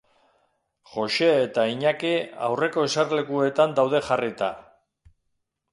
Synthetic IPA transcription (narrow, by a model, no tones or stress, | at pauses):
xo̞ʃe̞ːt̪aiɲakia̰wre̞ko̞esarle̞kue̞t̪and̪awð̞e̞xarit̪a̰